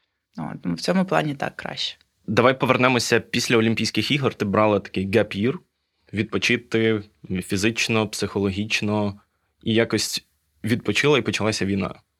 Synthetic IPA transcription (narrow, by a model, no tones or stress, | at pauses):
no̰t̪muw̥t͡sʲɔmʊplˠɑ̰nʲit̪ɑ̰kːɾɑ̰ʃt͡ʃɛ̥ | d̪ɐʋɑjpɔʋernɛmɔsʲɐpʲisʲlʲɐɔlʲimʲpʲijsʲkɪxiɦɔrt̪ɪbɾɑlˠɪt̪ɐ̥kɪjɡɐpʲir | ʋʲid̪̚pɔt͡ʃɪt̪ɪ | fʲizɪt͡ʃnɔpsɪxɔlˠɔɦʲit͡ʃnɔ | ijakɔsʲtʲ | ʋʲid̪̚pɔt͡ʃɪlˠɐipɔt͡ʃɐlˠɑsʲɐʋʲijnɑ̰